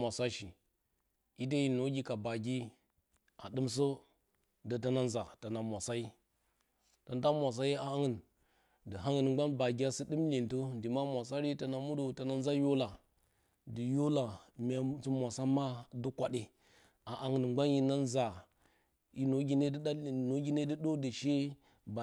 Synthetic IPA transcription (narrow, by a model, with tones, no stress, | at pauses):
ma˨sa˦ʃi˨ | i˦də˦ji˦no˨˦ɡʲi˦ka˨ba˨ɡʲi˦ | a̰˨dɨ˦ms̬ə˦ | də˨ta˦na˦nza˨ta˨na˨mʷ˨a˨sa˦ji˦ | ta˨n˦ta˦mʷa˨s̬a˦ji˦a˨a˦ŋə˨n | də˨ɦa˦ŋə˨nŋ͡mɡ͡ba˦nba˨ɡi˦ja˦sɨ˦dɨ˦mli˨ntə˦ndi˨ma˦mʷa˨sa˦ɾi˦tə˨na˨mu˦do˨ta˨na˦n˦za˦jo˦la˨ | də˨jo˦la˨mʲ˨a˨t͡su˦mʷa˨sa˦ma˦du˦kʷa˨ɗi˨ | a˨ʔa˨ŋə˨nŋ͡mɡ͡ba˦nji˦na˦nza˨ | i˦no˨˦ɡʲi˦ne˦dno˨ɡʲi˦ne˦də˦ɗo˦də˨ʃe˦ | ba˨